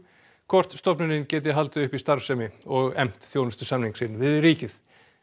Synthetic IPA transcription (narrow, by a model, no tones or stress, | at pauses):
kʰɔr̥t̪st̪ɔpnʏnɪncɛːt̪̬ɪɦalt̪ʏʏhpist̪aɾsɛmɪɔɣɛm̥t̪θjoːwnʏst̪ʏ̥samniŋksɪnːvɪðriːcɪθ